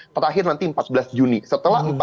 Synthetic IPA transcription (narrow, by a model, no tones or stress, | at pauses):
t̪əɾaɦɪrnant̪iəmpat̪̚bəlasd͡ʒunisət̪əlaɦəmp